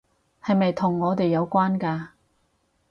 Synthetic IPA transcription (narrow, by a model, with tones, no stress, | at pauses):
hɐ˨jmɐ˨jt̪ʰʊ˨˩ŋːɔː˨˧t̪e˨jːɐ˨˧wkʷaː˥nkaː˧